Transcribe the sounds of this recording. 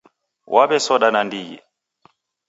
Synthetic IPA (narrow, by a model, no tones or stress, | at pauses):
wʔaβɛsɔɗanandijɛ̰